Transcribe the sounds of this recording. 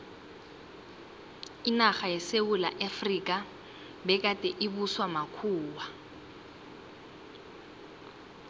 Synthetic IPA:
inaχajɛsewula̰ʔafrikʼa | bɛkʼatʼɛʔibuswamakʰuːwa

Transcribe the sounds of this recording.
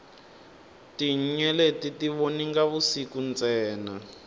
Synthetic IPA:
tiɲ̩ɲɛletitiβoniŋɡaβusikunt͡sɛːna

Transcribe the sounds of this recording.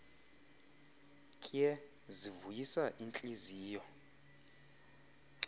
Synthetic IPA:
kʼijɛ | zivujisaʔint͡ɬʼiziːjɔ

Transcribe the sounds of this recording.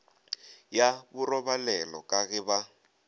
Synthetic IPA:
jaβʊrɔβalɛlɔkʼaɣɪβa

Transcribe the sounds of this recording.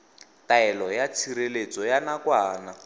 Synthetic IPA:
taɛlɔjat͡sʰiɾelet͡sɔjanakwaːna

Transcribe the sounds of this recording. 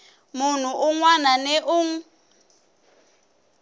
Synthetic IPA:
mun̤uʔuŋwananɛʔuŋ̩

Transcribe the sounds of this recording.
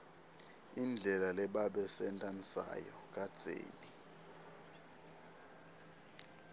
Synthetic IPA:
ind͡ɮʱɛlalɛɓaɓɛsɛntʼansa̰jɔk̬ʼad̥z̥ʱḛːli

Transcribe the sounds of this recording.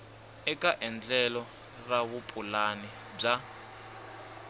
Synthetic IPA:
ɛkʼaʔɛnd͡ɮɛlɔ | raβupʼulani | b͡ʐa

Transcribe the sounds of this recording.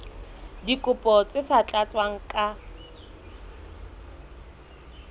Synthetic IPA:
dikʼʊpʼɔt͡sʼɪsat͡ɬʼat͡sʼwaŋ̩kʼa

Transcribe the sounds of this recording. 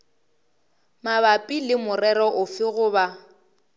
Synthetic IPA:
maβapʼilɪmʊrɛɾɔʔʊfɪɣʊba

